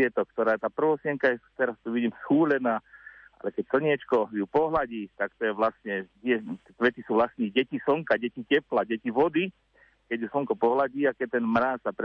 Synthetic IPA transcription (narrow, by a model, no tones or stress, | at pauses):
ɛt̪ɔk̚t̪ɔɾaːt̪aːpr̩ʋɔsɪɛŋkajɛt̪ɛɾast̪uʋiɟiːmsxuːlɛnaːa̰lɛkɛcsl̩ɲɪɛt͡ʃkɔjupɔɦlaɟiːt̪akt̪ɔjɛʋlast̪ɲɛtɪɛt̪ɛkʋɛt̪isuːʋlasniːɟɛcisɔŋkaɟɛcicɛplaɟɛciʋɔd̪i | kɛɟjusɔŋkɔpɔɦlaɟiːakɛc̚t̪ɛnmɾaːsapɾ